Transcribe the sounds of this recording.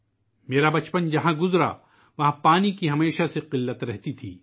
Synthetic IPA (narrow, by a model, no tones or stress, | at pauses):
meːɾabɐt͡ʃpənd͡ʒɐɦãɡʊzɾa̰ | ʋɐɦãpaːnikiɦɐmeːʃaseqɪlːət̪ɾɛɦt̪it̪ʰiː